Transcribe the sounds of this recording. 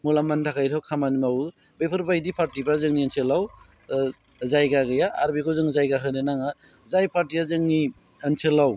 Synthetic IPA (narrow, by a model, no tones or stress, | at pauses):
mulamantʰakʰajtʰɔwkʰamanmaw | bepʰɯɾbajdipʰaɾtibɾazɯŋniansʰelaw | zajɡaɡɯjaːɾbikʰɔzɯŋzajɡaɦɯnɯnaŋa | zajpʰaɾtiazɯŋni | ənsʰelaw